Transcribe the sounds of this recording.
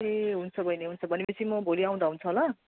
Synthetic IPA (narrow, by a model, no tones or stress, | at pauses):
eɦunt͡sʰʌbʱʌjneɦunt͡sʰʌbʱʌnepʌt͡sʰimʌbʱoliaw̃d̪aɦunt͡sʰʌɦola